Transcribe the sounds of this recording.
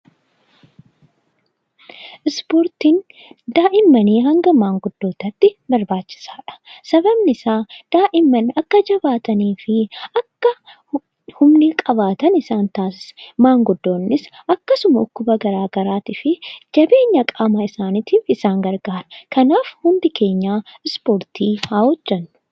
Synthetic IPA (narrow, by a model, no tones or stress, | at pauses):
ʔɪspoːɾt̪iːn | d̪aːʔɪmːɐniːɦɐŋɡɐmaːŋɡʊd̪̥ːo̞ːt̪ɐt̪ːɪbɐɾbaːt͡ʃːɪ̥saːᶑɐ̥sɐbɐbnɪsaːd̪̥aːʔɪmːɐnɐkːɐd͡ʒɐbaːt̪ɐniːfɪɐkːɐ | hʊmnɪkʼɐβaːt̪ɐnɪsaːnt̪aːsɪ̥smaːŋɡʊd̪ːo̞ːnːɪsɐkːɐsʊmɐɔkːʊbɐɡɐɾaːɡɐɾaːt̪ɪfɪd͡ʒɐbe̞ːɲːɐkʼaːmɐɪsaːnɪt̪iːfɪsaːŋɡɐɾɡaːɾɐkɐnaːfhʊnd̪ɪkʰe̞ːɲːaːɪspoːɾt̪iːhaːwɔd͡ʒːɐnːʊ̥